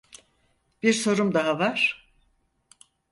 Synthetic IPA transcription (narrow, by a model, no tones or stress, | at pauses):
b̥iɾso̞ɾumd̪aɦavaɾ̥